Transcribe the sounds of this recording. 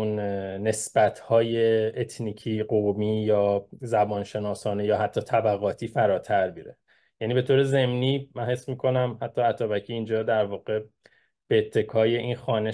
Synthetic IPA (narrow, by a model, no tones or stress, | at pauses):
nne̞sb̥æt̪ʰhɒːje̞ːt̪ʰniːcʰiːɢomiːjɒːzæbɒːnʃe̞nɒːsɒːnejɒːɦæt̪ʰːɒːt̪ʰæbæɣɒːt̪ʰiːfæɾɒːt̪ʰæɾbiɾe | jæniːbe̞t̪ʰoːɾe̞ze̞mniːmænhe̞smiːkʰo̞næmhæt̪ʰːɒːæt̪ʰɒːbæcʰiːnd͡ʒɒːd̪æɾvɒːɣe̞ | b̥eːt̪ʰːe̞kʰɒːje̞ʔinxɒːne